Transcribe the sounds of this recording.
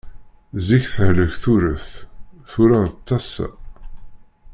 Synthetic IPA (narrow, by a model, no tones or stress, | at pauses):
ziçθəhləçθuɾəθθuɾaðət͡s̪ːɑsæ̰